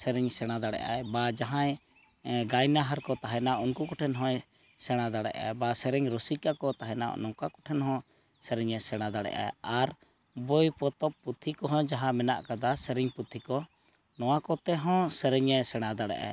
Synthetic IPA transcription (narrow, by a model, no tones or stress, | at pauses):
sɛɾɛɲsɛɽ̃ad̪aɽɛ̰ʔa̰jbad͡ʒaɦãj | ɡajnaɦaɾkɔt̪aɦɛnaʔunkukɔʈʰɛnɦɔ̃j | sɛɽ̃ad̪aɽɛ̰ʔa̰jbasɛɾɛɲɾosikakɔt̪aɦɛna̰nɔ̃kakɔ̥ʈʰɛnɦɔ̃ | sɛɾɛɲɛsɛɽ̃ad̪aɽɛ̰ʔa̰jaɾ | bojpɔt̪ɔpːut̪ʰːikɔɦɔ̃d͡ʒaɦãmɛna̰ʔkad̪asɛɾɛɲput̪ʰːikɔ | nɔwakɔt̪ɛɦɔ̃sɛɾɛɲɛsɛɽ̃ad̪aɽɛ̰ʔa̰j